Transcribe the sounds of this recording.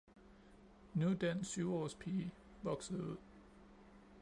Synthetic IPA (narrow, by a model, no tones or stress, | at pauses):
nud̥ænsːyʊɒ̰ːspʰiː | ʋɒ̽ɡ̥səð̩ˠuð̰ˠ